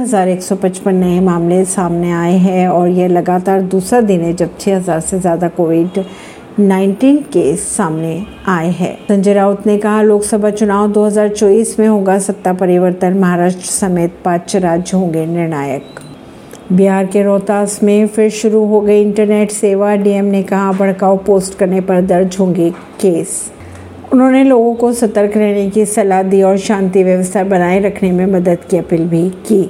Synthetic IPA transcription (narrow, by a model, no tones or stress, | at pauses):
ɦɐzaːɾeːksɔpɐ̃t͡ʃpənːɐẽmaːmlesaːmneaːeɦɛɔːɾjelɐɡaːt̪aːɾd̪uːsɾad̪ɪnɦɛ̃d͡ʒɐb̚t͡ʃʰeɦɐzaːɾsezjaːd̪akoːʋɪɖ | naːɪ̃ɳʈiːnkeːsːaːmne | aːeɦɛ̰ːsɐ̃ɲd͡ʒeɾaːʊt̪nekɐɦaloːksɐbʱat͡ʃʊnaːwd̪oːɦɐzaːɾt͡ʃɔːiːsmẽɦoːɡasɐp̚t̪apɐɾɪʋəɾt̪ənmɐɦaːɾaːʃʈɾəsɐmeːt̪̚pãːt͡ʃəɾaːd͡ʒjəɦõːŋɡenɪɾɽ̃aːjə̰k | biɦaːɾkeɾɔːt̪aːsmẽfɪɾʃʊɾuɦoɡɐiɪ̃ɳʈəɾneːʈseːʋaɖiːɛmnekɐɦabɐɽ̤kaːopoːsʈkɐɾnepɐɾd̪ɐɾd͡ʒʱɦõːŋɡi | keːs | ʊnɦõːneloːɡõkosɐt̪əɾkʰɾɛɦnekisɐlad̪iɔːɾʃãːnt̪iʋjɐʋəst̪ʰabɐnaːeɾɐkʰnemẽmɐd̪əd̪kiɐpiːlbʱikiː